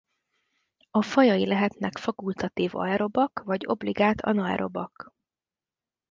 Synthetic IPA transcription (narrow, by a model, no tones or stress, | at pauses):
ɒfɒjɒjilɛɦɛt̪nɛkfɒkult̪ɒt̪iːvɒ̰ɛɾo̞bɒkvɒɟo̞̰bliɡaːt̪ʰɒ̰nɒɛ̰ɾo̞bɒk